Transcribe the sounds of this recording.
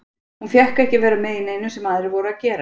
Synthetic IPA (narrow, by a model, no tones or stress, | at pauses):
hunfjɛhkɛhcɪvɛːɾamɛðinejnʏsɛmaðɾɪvɔːɾʏacɛːɾa